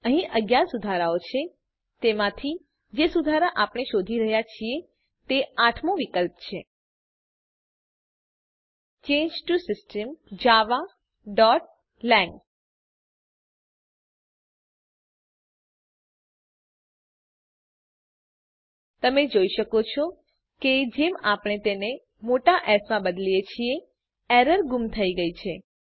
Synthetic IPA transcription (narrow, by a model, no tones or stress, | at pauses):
əɦĩʔəɡjaɾsud̪ʱaɾaot͡ʃʰe | t̪emãt̪ʰi | d͡ʒesud̪ʱaɾaʔapɳ̃eʃod̪ʱiɾəɦjat͡ʃʰie | t̪eaʈʰmõʋikəlpt͡ʃʰe | t͡ʃẽɲd͡ʒʈusɪsʈəmd͡ʒaʋa | ɖɔʈ̚ | lɛ̃ŋɡ | t̪əmed͡ʒoiʃəkot͡ʃʰɔ | ked͡ʒemapəɳ̃et̪ene | moʈaʔɛsmãbəd̪lijet͡ʃʰie | ɛɾəɾɡumt̪ʰəiɡəit͡ʃʰe